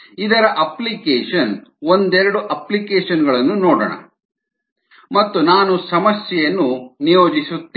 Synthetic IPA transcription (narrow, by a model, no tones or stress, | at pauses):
id̪ɐɾɐʔɐplikeːʂɐnond̪ɛɾɐɽuʔɐplikeːʂɐnɡɐɭɐnːunoːɽɐ̰ɳɐ̰ | mɐt̪ːunaːnusɐmɐsjɛjɐnːunijoːd͡ʒisut̪ː